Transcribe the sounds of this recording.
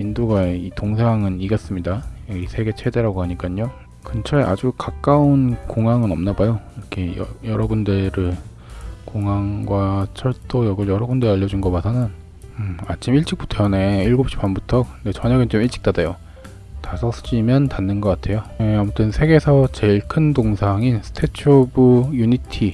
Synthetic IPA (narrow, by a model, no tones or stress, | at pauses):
indoɡaeitoŋsʰeɦaŋɯniɡʌs͈ɯmɲidaʌɡisʰe̞ɡe̞t͡ɕʰe̞de̞ɾaɡoɦaɲik͈aɲːo | kɯnt͡ɕʰʌeʔa̰d͡ʑukak͈aunkoŋaŋɯnʌmnabajoiɾʌkʰe̞jʌ̰jʌɾʌbundeɾɯɭ | koŋɦaŋɡwat͡ɕʰʌɭt͈ojʌɡɯɭjʌɾʌbundeɾaʎːʌd͡ʑunɡʌmasʰanɯn | ɯa̰t͡ɕʰimiɭt͡ɕ͈ʰik̚putʰʌne̞iɭɡop̚ɕ͈ʰi̥panbutʰʌkɯnde̞t͡ɕʌɲaɡɯnt͡ɕomiɭt͡ɕ͈ʰi̥k̚t͈adejo | tasʰʌsd͡ʑimjʌntanːɯnɡʌk͈atʰe̞joamutʰɯnsʰe̞ɡesʰʌt͡ɕe̞iɭkʰɯndoŋsʰaŋinsʰɯ̥tʰe̞t͡ɕʰobujuɲitʰi